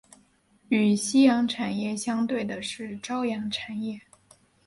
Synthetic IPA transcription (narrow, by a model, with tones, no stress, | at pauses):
y˨˩ɕi˥jɑ˧˥ŋʈ͡ʂʰa˨˩njɛ˥˩ɕjɑ˥ŋt̪we˥˩ɪd̪ə˩ʂɻ̩˥˩ʈ͡ʂɑ˥ʊjɑ˧˥ŋʈ͡ʂʰa˨˩njɛ˥˩